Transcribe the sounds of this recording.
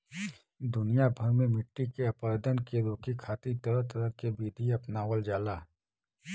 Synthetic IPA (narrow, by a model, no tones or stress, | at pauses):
d̪ʊnijabʱəɾmẽmɪʈːikeɐpəɾəːd̪ənkeɾoːkikʰaːt̪it̪ɐɾəɦt̪əɾəɦkebiːd̪ʱiɐpnaːwəld͡ʒaːlaː